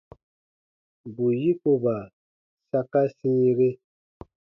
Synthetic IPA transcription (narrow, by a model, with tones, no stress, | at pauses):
bu˨ji˦ko˨ba˨ | sa˦ka˦sĩ˦ɾe˦